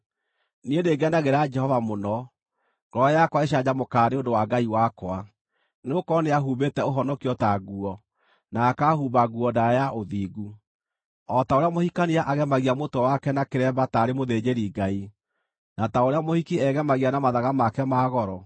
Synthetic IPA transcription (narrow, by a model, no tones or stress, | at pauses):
niendeɡanaɣeɾad͡ʒɛhɔvamonɔ | ɡɔjakwaeʃ̬ad͡ʑamokaːneondowaɡaiwakwa | nokɔneaɦuβetɛoɦɔnɔkiɔtaɣuɔ | naːkahuβaɣuɔndaɾajaʔoðiːɡu | ɔtaoɾeamohikaniaʔaɣɛmaɣiamotɔwakɛnakeɾɛbataɾemoðed͡ʒeɾiɡai | nataoɾeamohikiɛɣɛmaɣianamaðaɣamakɛmaːɣɔɾɔ